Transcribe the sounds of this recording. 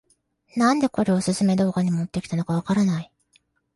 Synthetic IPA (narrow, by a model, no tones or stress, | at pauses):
nãnd̪e̞ko̞ɾe̞osɨsɨme̞d̪o̞ːkaɲ̟imt̪ːe̞kʲi̥t̪ano̞kaβ̞akaɾanai